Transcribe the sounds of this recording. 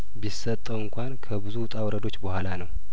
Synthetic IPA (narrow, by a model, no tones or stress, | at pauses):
bisət̪ʼːəwɨŋkʷankʰəbɨzut̪ʼawɾəd̪o̞t͡ʃːbəhʷalanəw